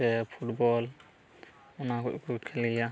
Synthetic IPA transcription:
ɛpʰuʈbɔl | unakɔ̰ʔkukʰɛlija

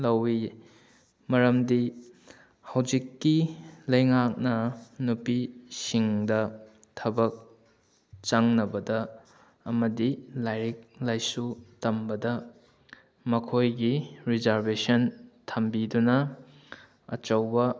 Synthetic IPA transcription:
lɐwi | mɐɾɐmdi | hɐwd͡ʒikːilɐjŋak̚nɐnupisiŋdɐ | tʰɐbɐk̚ | t͡ʃaŋnɐbɐdɐː | mɐdilajɾik̚lajsutɐmbɐdɐ | mɐkʰojɡiɾizaɾbesɐntʰɐmbidunɐ | ɐ̰t͡ʃɐwbɐ

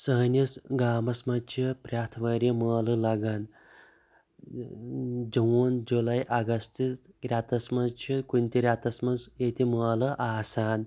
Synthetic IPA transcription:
sɐɦnʲisɡaːmɐsmɐt͡ʃʰipɾʲaːt̪ʰʋɐɾiməːlɨlɐɡɐn | d͡ʒɐwund͡ʒulɐjʔɐɡɐst̪is | ɾʲat̪ɐsmɐzt͡ʃʰikunʲt̪ʲiɾʲat̪ɐsmɐnzjet̪iməːlɨʔaːsaːn

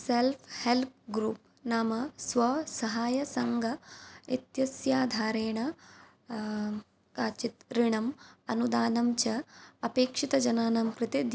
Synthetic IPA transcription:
selpʰhelp̚ɡɾuːp̚ | naːmɐsʋɐsɐɦaːjɐsɐŋɡʱɐet̪jɐsjaːd̪ʱaːɾeːɳɐ | kaːt͡ʃit̪ɾiɳɐmɐnud̪aːnɐmt͡ʃɐɐpeːkʂit̪ɐd͡ʒɐnaːnɐmkɾɨt̪ed̪

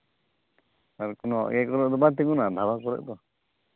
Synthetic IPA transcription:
aɾkɔnɔʔjɛkɔɾɛʔd̪ɔbat̪̬iɡunad̪ʱabakɔɾɛ̰ʔd̪ɔ

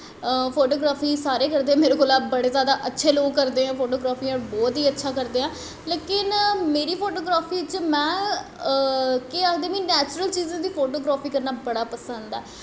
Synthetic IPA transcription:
əpʰoːʈoːɡɾaːpʰiːsaːɾeːkəɾd̪eːãːmeːɾoːkoːlaːbəɽeːzjaːd̪aːʔətːʃʰeːloːɡkəɾd̪eːãːpʰoːʈoːɡɾaːpʰiːaːbɔːt̪ɦiːətːʃʰaːkəɾd̪eːɦãː | leːkɪnmeːɾiːpʰoːʈoːɡɾaːpʰiːt͡ʃmɛ̃ː | kead̪eːmiːnɛːt͡ʃɾəlt͡ʃiːzãːd̪iːpʰoːʈoːɡɾaːpʰiːkəɾnaːbəɽaːpəsə̃nd̪ɛ̰ː

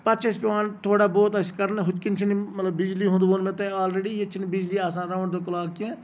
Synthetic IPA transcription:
pɐt̪ːt͡ʃʰespeʋãːnt̪ʰoːɽaːboːt̪ɐskɐɾnẽɦʊt̪kɪnt͡ʃʰinimɐt̪ləbbɪd͡ʒliɦõnd̪ʋoːnmẽt̪eaːlɾeːɖijet͡ʃʰinbɪd͡ʒliːaːsãːnd̪aʋʊɳd̪okʊlaːkkẽː

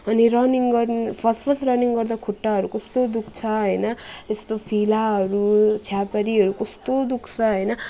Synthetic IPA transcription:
ʌniɾʌniŋɡʌrnpʰʌspʰʌsrʌniŋɡʌrd̪akʰoʈːaɦʌɾukɔst̪od̪ukʰt͡sʰʌɦʌjnʌest̪opʰilaɦʌɾut͡sʰjapaɾiɦʌɾukʌst̪od̪ukʰt͡sʰʌɦʌjnʌ

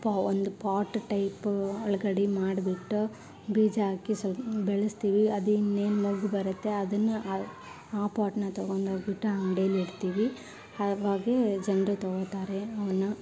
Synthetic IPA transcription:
pːaond̪upaːʈːʈɐjpɔɭɐɡɐɽimaːɽbiʈːu | biːd͡ʒɐaːkisɐbɛɭɐst̪iːʋiɐd̪uinːeːnmɐɡubɐɾɐt̪ːe̞ɐd̪ɐnːu | aːpaːʈnɐt̪ɐɡoɳd̪oːɡbiʈːuɐŋɖejliɽt̪iːʋi | ɐʋaːɡed͡ʒɐnɖɾɐt̪ɔɡot̪aːɾeɐʋɐnu

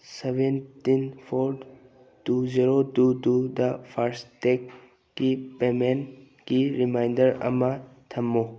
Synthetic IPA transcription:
sebentinpʰoɾ | tuziɾodudud̪ɐpʰaɾstekː | ipemen | ɡiɾimajndəɾɐ̰mɐt̪ʰɐmːo

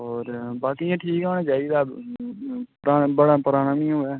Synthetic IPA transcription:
ɔːɾbaːkiãːʈʰiːkaːnãːt͡ʃaːiːd̪aː | pɾaːbəɽaːpəɾaːnãːmĩoːɛː

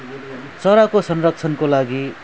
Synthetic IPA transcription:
t͡sʌɾakosʌnrʌk̚t͡sʰʌnkolaɡi

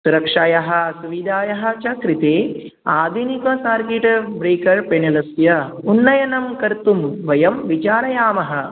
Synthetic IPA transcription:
suɾɐkʂajɐɦɐ̆suʋid̪ʱaːjɐɦɐ̆t͡ʃɐkɾit̪eː | aːd̪ʱinikɐsaːɾkeʈbɾeːkɐɾpenɐlɐsjɐ | unːɐjɐnɐmkɐɾt̪umʋɐjɐmʋit͡ʃaːɾɐjaːmɐɦɐ̆

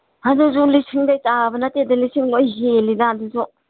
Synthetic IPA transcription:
haduzulisʰiŋdajtabɐnatedɐlisiŋlojɦelidaaduzu

